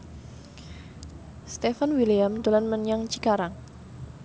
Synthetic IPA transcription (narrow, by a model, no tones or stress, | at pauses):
st̪efanwilijamd̪̥olanmənjaŋt͡ʃikaɾaŋ